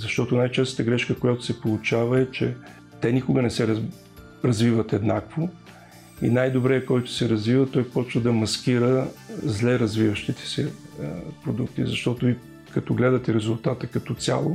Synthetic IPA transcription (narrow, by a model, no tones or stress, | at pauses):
zɐʃt̪ɔt̪ʊnajt͡ʃɛst̪ə̥t̪əɡɾɛʃkəkʊjat̪ʊ̥sɛpolˠʊt͡ʃavəɛt͡ʃɛ | t̪ɛnʲikʊɡənɛsɛɾ | ɾɐzvivət̪ɛd̪nakvo | ḭnajd̪obɾɛɛkɔjt̪ʊ̥sɛɾɐzvivət̪ɔjpɔt͡ʃvəd̪ɐmɐskiɾəzlɛɾɐzvivəʃt̪it̪ɛ̥sɛ | pɾod̪ukt̪ḭzɐʃt̪ɔt̪ʊi | kɐt̪ɔɡlɛd̪ət̪ɛɾɛzʊlˠt̪at̪əkɐt̪ɔt̪sʲja̰lˠo